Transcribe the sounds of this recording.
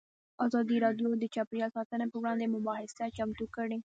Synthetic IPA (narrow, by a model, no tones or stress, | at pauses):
ɑzɑd̪iɾɑɖjod̪ət͡ʃapɾijɑlsɑt̪ənapəwɽɑ̃nd̪emʊbɑhɪsat͡ʃamt̪ukəɽe